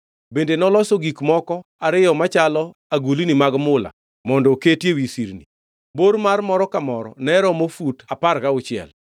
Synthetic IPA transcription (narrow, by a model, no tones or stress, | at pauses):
bendenɔlɔsɔɡikmɔkɔaɾɪjɔmat͡ʃalɔaɡulinimaɡmʊla̰ | mɔndɔketjewisiɾni | boɾmarmɔɾɔkamɔɾɔ̰nɛɾɔmofutaparkaʊt͡ʃɪɛ̰l